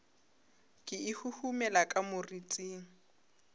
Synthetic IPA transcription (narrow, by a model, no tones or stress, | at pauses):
kʼɪɪhuhumɛlakʼamʊrit͡sʼiːŋ̩